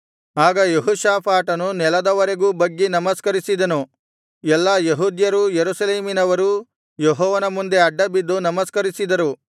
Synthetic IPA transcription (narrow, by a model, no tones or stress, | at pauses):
aːɡɐjeɦuʃaːpʰaːʈɐnunɛlɐd̪ɐʋɐɾe̞ɡuːbɐɡːenɐmɐskɐɾisid̪ɐnu | ɛlːɐjeɦuːd̪jɐɾujeɾusɐleːminɐʋɐɾu | jɔɦɔːʋɐnɐmund̪e̞ɐɖːɐbid̪ːunɐmɐskɐɾisid̪ɐɾu